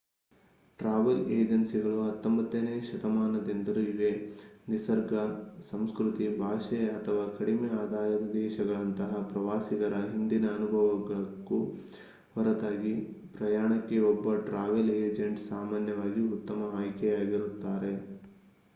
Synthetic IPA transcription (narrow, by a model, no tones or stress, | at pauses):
ʈɾaːʋeleːd͡ʒɐnsiɡɐɭuɦɐt̪ːombɐt̪ːeneːʃɐt̪ɐmaːnɐd̪end̪ɐɾuiʋe̞ | nisɐɾɡʱɐsɐmskɾut̪ibʱaːʃɐɐt̪ʰɐʋaːkɐɽimeaːd̪ʱaːjɐd̪eːʃɐɡɐɭɐnt̪ɐɦɐpɾɐʋaːsiɡɐɾɐɦind̪inɐːnubʱɐʋɐɡɭku | ʋɐɾɐd̪aːɡipɾɐjaːɳɐkːeɔbːɐʈɾaːʋeleːd͡ʒeɳʈsaːmaːnjɐʋaːɡiut̪ːɐmɐaːjkɛjaːɡiɾut̪ːaːɾe